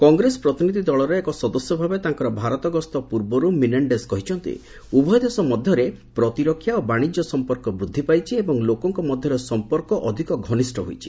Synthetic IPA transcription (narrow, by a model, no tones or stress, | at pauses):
kɔŋɡɾesɔ̥pɾɔt̪inid̪ʱid̪ɔɭɔɾeekɔsɔd̪ɔsjɔbʱabet̪aŋkɔɾɔbʱaɾɔt̪ɔɡɔst̪ɔpuɾbɔɾumineɳɖeskɔɦit͡ʃʰɔnt̪ḭ | ubʱɔjd̪esɔmɔd̪ʱjɔɾepɾɔt̪iɾɔkʰːjaobaɽ̃id͡ʒɔsɔmpɔɾkɔbɾud̪ʱːipajt͡ʃʰiebɔŋlokɔŋkɔmɔd̪ʱjɔɾesɔmpɔɾkɔʔɔd̪ʱikɔɡʱɔnisʈʰɔɦojt͡ʃʰi̥